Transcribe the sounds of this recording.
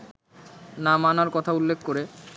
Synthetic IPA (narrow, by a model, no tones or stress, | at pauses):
namanaɾkɔt̪ʰaulːekʰːkoɾe